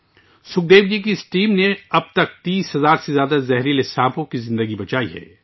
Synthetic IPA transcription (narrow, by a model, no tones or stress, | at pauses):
sʊk̚d̪eːʋd͡ʒik̬iɪsʈiːmneɐb̚t̪ɐk̚t̪iːsɦɐzaːɾsezjaːd̪azɛɦɾilɪsãːpõkizɪ̃nd̪əɡibɐt͡ʃaːiɦɛ̰ː